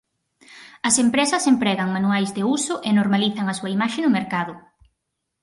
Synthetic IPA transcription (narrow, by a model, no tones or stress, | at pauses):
ɐsempɾesɐsempɾɛɣɐŋmanuajzðeusʊʔenoɾmaliθɐŋɐsuɐimaʃenʊmeɾkaðʊ